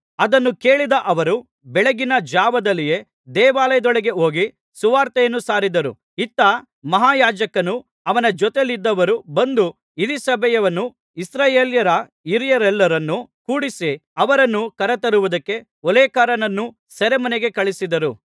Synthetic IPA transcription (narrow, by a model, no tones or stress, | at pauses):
ɐd̪ɐnːuke̞ːɭid̪ɐʔɐʋɐɾu | bɛɭeɡinɐd͡ʒaːʋɐd̪ɐlːije̞ | d̪ɛːʋaːlɐjɐd̪ɔɭeɡe̞ɦo̞ːɡi | suʋaːɾt̪ɛjɐnːusaːɾid̪ɐɾṵ | it̪ːɐ | mɐɦaːjaːd͡ʒɐkɐnu | ɐʋɐnɐd͡ʒɔt̪elid̪ːɐʋɐɾubɐnd̪u | id̪isɐbʱɛjɐʋɐnːu | isɾaːjeːljɐɾɐ | iɾijɐɾɛlːɐɾɐnːukuːɽisiɐʋɐɾɐnːukɐɾɐt̪ɐɾuʋud̪ɐkːe̞ | ɔlɛːkaːɾɐnɐnːu | sɐɾemɐneɡe̞kɐɭisid̪ɐɾu